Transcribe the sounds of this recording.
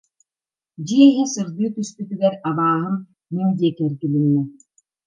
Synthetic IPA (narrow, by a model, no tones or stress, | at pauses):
d͡ʑiɛɦisɯɾd̪ɯːt̪yst̪yt̪yɡɛɾabaːɦɯmː | imd̪iɛkɛɾɡilinːɛ